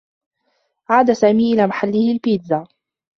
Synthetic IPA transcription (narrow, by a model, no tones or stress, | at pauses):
ʕaːd̪asaːmiːʔɪlaːmaħalːɪhɪlpiːd̪za